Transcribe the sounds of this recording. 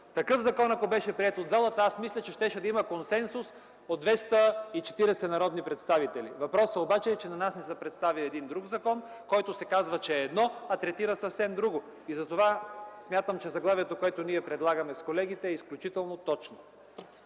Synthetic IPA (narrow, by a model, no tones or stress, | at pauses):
t̪ɐkɤfzɐkɔnɐkobɛʃɛpɾiɛt̪od̪zalˠət̪ɐasmislʲɐt͡ʃɛʃt̪ɛʃɛd̪ɐimɐkonsɛnsʊs | od̪̚vɛst̪əit͡ʃɛ̥t̪iɾɛsɛnɐɾɔd̪nipɾɛt̪st̪avit̪ɛlḭvɐpɾɔsəobat͡ʃɛːt͡ʃɛnɐnasnɛsəpɾɛt̪st̪aviɛd̪ind̪ɾuɡzɐkɔn | kɔjt̪osɛkazvɐt͡ʃɛːd̪nɔɐt̪ɾɛt̪iɾəsɐfsɛmd̪ɾuɡo | izɐt̪ovasmʲjat̪əmt͡ʃɛzɐɡlˠaviɛt̪okoɛt̪oniɛpɾɛd̪lˠaɡɐmɛskolɛɡ̟it̪ɛːisklʲut͡ʃit̪ɛlˠnot̪ɔt͡ʃno